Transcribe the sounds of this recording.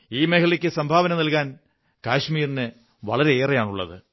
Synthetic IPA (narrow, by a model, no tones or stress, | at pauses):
iːmehɐɭikʲːɨsɐmbʱaːʋɐnɐmnɐlkaːn | kaːʂmiːrinɨ | ʋɐ̰ɭɐɾe̞eːrɐjaːɳuɭːɐ̰ðɨ̰